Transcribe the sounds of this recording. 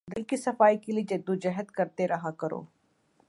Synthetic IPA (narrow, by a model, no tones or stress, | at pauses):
d̪ɪlkisɐfaːikelid͡ʒɐd̪ũd͡ʒəɦət̪kəɾt̪eɾɐɦakəɾo̰ː